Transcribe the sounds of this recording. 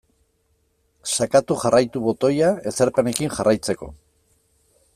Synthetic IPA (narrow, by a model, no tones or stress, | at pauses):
sakat̪uxarajt̪uβo̞t̪o̞jae̞seɾpe̞ne̞kinʝarʔajt͡se̞ko̞̰